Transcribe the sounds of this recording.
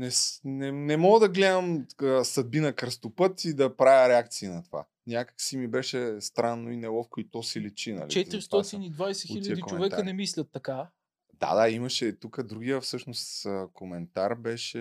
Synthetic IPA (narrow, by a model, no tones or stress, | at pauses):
nɛsnɛnɛmɔɡəd̪ɐɡlɛd̪ɐməsɐd̪̚binɐkɾəst̪opɤt̪id̪ɐpɾavjəɾɛak̚t̪siːnɐt̪ova̰ | nʲjakə̥ksimibɛʃɛst̪ɾanːoinɛlɔfkoit̪ɔsilit͡ʃinɐ̰lit͡ʃɛt̪ɾist̪ɔt̪inid̪vajsɛxiʎʲəijəd̪ikot͡ʃoɛvɛkaənɛmislʲɐt̪ːɐka | d̪̥a̰d̪aimɐʃɛt̪ukəd̪ɾuɡijəfsɤʃnost̪komɛnt̪aɾbɛʃɛ